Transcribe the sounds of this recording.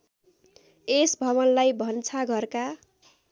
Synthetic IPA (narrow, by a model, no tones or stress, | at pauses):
esbʱʌβʌnlajbʱʌnt͡sʰaɡʱʌrka